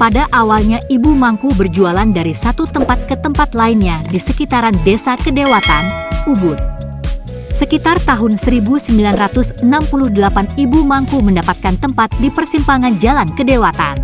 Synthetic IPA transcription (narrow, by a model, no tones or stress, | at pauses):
padaʔawalɲaʔibumaŋkubərd͡ʒualandaɾisat̪ut̪əmpat̪̚kət̪əmpat̪lainɲadisəkit̪aɾandesakədewat̪anubʊt̪̚ | səkit̪art̪aɦʊnsəɾibusəmbilanrat̪ʊsənampuluhdəlapanibumaŋkuməndapat̪̚kant̪əmpat̪̚dipərsimpaŋand͡ʒalankədewat̪a̰n